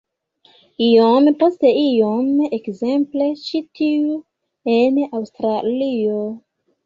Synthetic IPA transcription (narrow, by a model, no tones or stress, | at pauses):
ijompo̞ste̞ijomekze̞mple̞t͡ʃitiu | enawstɾalio